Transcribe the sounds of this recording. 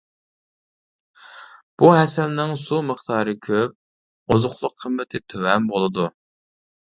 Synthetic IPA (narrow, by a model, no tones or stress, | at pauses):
b̥uɦɛsɛlnɪŋsuməχt̪ʰɑːɾɨkʲʰøp̚ | ozʊχlˠʊqʰːəmːɪt̪ʰɪt̪ʰøwɛmbolˠɨd̪u